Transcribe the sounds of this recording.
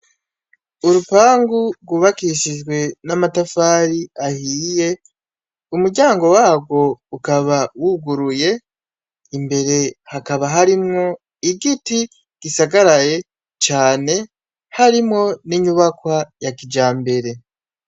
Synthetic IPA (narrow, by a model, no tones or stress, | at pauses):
uɾupaːŋɡuɡwuβakiʃid͡ʒɡwe̞namatafaːɾiahiːje̞ | umuɾɟaːŋɡo̞waːɡwo̞ukaβawuɡuɾuje̞ | imbe̞ɾe̞hakaβaɦaɾimŋo̞ | iɡiti | ɡ̥isaɡaɾaje̞ | t͡ʃaːne̞ | haɾimŋo̞niɲuβakwajakid͡ʒaːmbe̞ɾe̞